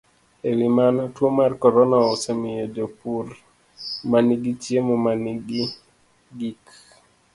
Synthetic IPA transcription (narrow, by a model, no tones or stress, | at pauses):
elimanɔtwomarkɔɾɔnaɔsemiedopuɾ | maniɡitjemɔmaniɡi | ɡik